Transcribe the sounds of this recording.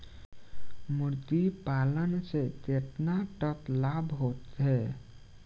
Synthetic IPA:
muɾt̪ipalənset̪et̪naʈəklabʱɦot̪ɦɛ

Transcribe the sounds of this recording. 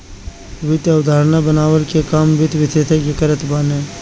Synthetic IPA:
ʋɪt̪aʊd̪ʱaːɾnabənaːwəɾkekaːmbɪt̪ʋɪt̪ʰet̪ʰeɡɪkəɾət̪baːnẽː

